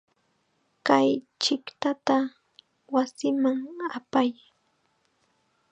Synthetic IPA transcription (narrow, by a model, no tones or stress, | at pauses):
kaj | t͡ʃɪkt̪at̪a | wasɪmaŋapaj